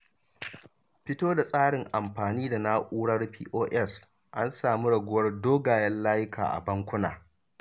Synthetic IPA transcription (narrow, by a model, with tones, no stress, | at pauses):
ɸɪ˦toː˦da˨sʼaː˦ɽɪ˨ŋʔa˨mɸaː˨niː˦da˨na˦ʔʷʼuː˦ɽɐ˦rɸḭː˦ʔoː˦ʔɛ˦˨s | ʔa˦nsaː˨mi˦ɽɐ˨ɡʷʊ˦wɐ˦rdoː˦ɡaː˨jɛ˦nlaː˦jɪ˦kʰa̰ː˨ʔa̰˨bɐ˦ŋkʷʊ˦na̰ː˨